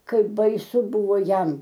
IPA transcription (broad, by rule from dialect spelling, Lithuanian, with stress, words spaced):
ˈkɐɪp bɐɪˈsʊ ˈbʊʋoː ˈjɛm